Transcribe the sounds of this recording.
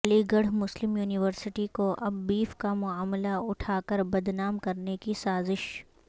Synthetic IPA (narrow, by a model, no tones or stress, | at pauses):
liɡɐɽmʊslɪmjuːnɪʋəɾsɪʈikoʔɐbːiːfkamʊaːmlaʊʈʰaːkɐɾbɐd̪naːmkɐɾnekisaːzɪʃ